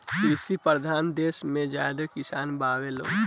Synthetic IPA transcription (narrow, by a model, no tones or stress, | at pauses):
kisipɾəd̪ʱaːnd̪eːsmẽd͡ʒja̰ːd̪əkɪsaːnbaːwelo̰ː